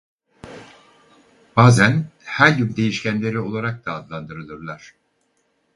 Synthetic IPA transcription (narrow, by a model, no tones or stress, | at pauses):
b̥aːzænhæɾɟymd̪e̞jiʃcænlʲe̞ɾio̞lˠaɾak̚d̪aːd̪lˠand̪ɯɾɯlˠɯɾlˠaɾ̝̥